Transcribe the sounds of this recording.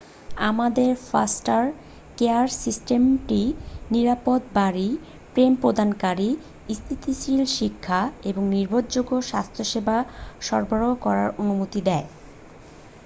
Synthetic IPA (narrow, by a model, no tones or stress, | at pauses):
amad̪eɾfa̰sʈaɾ | keaɾsisʈemʈiniɾapod̪baɾi | pɾempɾod̪ʱankaɾi | ist̪ʰit̪ʰisilʃikʰːaeboŋniɾbʱod̪d͡ʑoɡoʃa̰st̪ʰoʃebʱaʃɔɾbʱaɾokɔɾa̰ɾonumot̪id̪ɛe